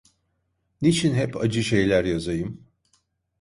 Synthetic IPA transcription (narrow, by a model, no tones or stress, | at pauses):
nit͡ʃʰinɦɛpad͡ʒɯʃe̞jlʲæɾjazajɯm